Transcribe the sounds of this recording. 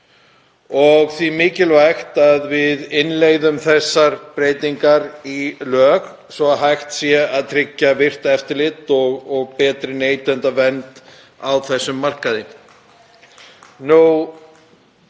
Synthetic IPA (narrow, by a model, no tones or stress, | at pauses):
ɔɣθvimɪːcɪlvajxt̪aðvɪðɪnleːjðʏmθɛsːaɾpɾeːjt̪iŋkaɾilœːɣ | svɔɦajxt̪sjɛaðt̪ʰɾɪcːavɪr̥t̪ɛft̪ɪɾlɪt̪ɔɣɔɣpɛːt̪ɾɪneːjt̪ɛnt̪avɛnt̪ | awθɛsːʏmːar̥kaðɪ | nu